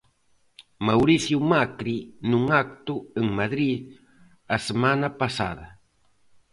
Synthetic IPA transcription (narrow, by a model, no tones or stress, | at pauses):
mawɾisjʊmakɾinʊŋak̚t̪ʊeŋmad̪ɾid̪̚ | asemanapasa̰d̪a